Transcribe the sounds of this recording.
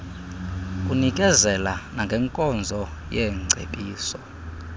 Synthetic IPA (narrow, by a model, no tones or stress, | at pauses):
kʼunikʼɛzɛlanaŋɡʱɛŋkʼɔnd͡zʱɔjɛŋ͡ǀʱḛpʼiːsɔ